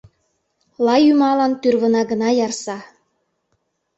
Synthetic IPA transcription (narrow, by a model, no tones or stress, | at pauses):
lɑjymɑlɑnt̪yrβə̆nɑɡə̆nɑjɑrsɑ